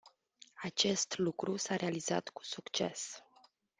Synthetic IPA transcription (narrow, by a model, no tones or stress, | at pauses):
at͡ʃe̞st̪lukɾusaɾe̞aliza̰t̪ku̥sukt͡ʃe̞̰s